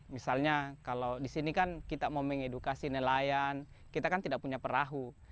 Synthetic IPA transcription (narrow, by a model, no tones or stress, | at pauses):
misalɲakalowdisinikankit̪amomɛŋedukasinəlajan | kit̪akant̪idak̚puɲapəɾaɦu